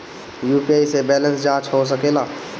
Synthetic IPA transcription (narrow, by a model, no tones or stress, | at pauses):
jupiaisebɛlə̃nsd͡ʒãːt͡ʃʰɦos̬əkela